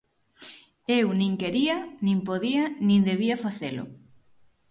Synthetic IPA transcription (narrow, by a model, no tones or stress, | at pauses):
ewnĩŋkeɾianĩmpoðianĩnd̪eβ̞iafaθelʊ̰